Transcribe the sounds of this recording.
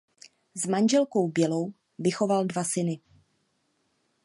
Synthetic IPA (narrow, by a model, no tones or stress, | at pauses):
zmand͡ʒɛlko̞wbjɛlo̞w | vɪxo̞valdvasɪnɪ